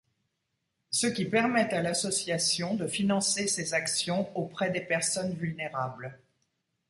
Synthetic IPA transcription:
səkʲipɛʁmɛt̪alasɔsjasjɔ̃d̪əfinɑ̃sesezaksjɔ̃opχɛd̪epɛʁsɔnvylneʁabl

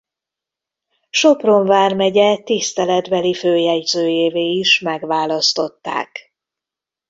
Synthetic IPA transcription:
ʃo̞pro̞ɱvaːrmɛɟɛt̪ist̪ɛlɛd̪bɛliføːjɛɟzøːjeːveːiʃmɛɡʋaːlɒst̪o̞t̪ːa̰ːk

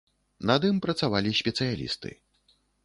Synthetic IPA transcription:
nad̪ɨmpɾɐt̪savalʲisʲpʲɛt̪sɨjalʲḭst̪ɨ̰

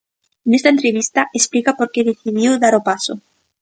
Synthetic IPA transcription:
nest̪aent̪ɾeβist̪aʔesplikapoɾkeðeθiðjiwðaɾopaso

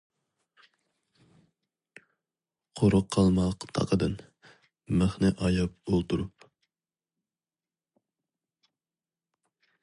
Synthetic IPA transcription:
qʰoɾʊqʰːɑlˠmɑqt̪ʰɑ̰qʰəd̪ɨn | mæχnɪʔɑjɑp̚olˠt̪uɾup

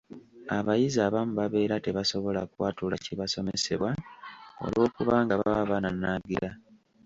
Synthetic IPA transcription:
aβajizaːβamuβaβe̞ːɾate̞βaso̞βo̞lakwaːtulaciβaso̞me̞se̞̰βwao̰lo̞ːkuβaːŋɡaβaβananːaɡila

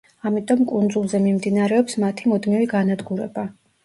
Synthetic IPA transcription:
amit̪ʼɔmkʼund̪zulˠzɛmimd̪inaɾɛɔpsmat̪ʰimɔd̪miviɡanad̪ɡuɾɛ̰ba

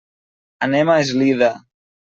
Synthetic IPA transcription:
anɛmaezliða

